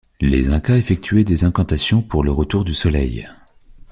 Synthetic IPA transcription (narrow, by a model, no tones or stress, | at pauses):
lḛzɛ̃kaefɛk̚t̪ʰɥɛd̪ezɛ̃kɑ̃t̪asjɔ̃puʁləʁət̪uʁd̪ysɔlɛ̰j